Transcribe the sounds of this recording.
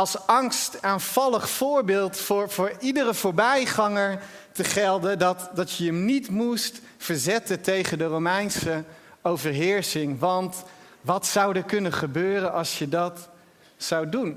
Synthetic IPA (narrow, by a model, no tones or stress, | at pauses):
ɑlˠsɑŋstaːnv̥ɑləχfʊːɹbɪːlˠtfʊːɹvʊːɹidəɾəvʊːɹbɛjχɑŋəɹ | təχɛlˠdədɑtdɑtjəəmnitmust | fəɹzɛtətejχəndəromɛjnsə | owvəɹɦɪːɹsɪŋʋɑnt | ʋɑtsɑwdəkɵnəχəbøːrənɑlˠsjədɑt | sɑwdun